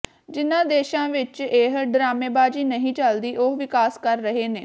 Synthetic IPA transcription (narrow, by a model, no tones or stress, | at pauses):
d͡ʒɪnãːd̪eːʃãːʋɪt͡ʃeːɦɖɾaːmeːbaːd͡ʒiːnəɦĩːt͡ʃəld̪iːʔoɦʋɪkaːskəɾːəɦeːneː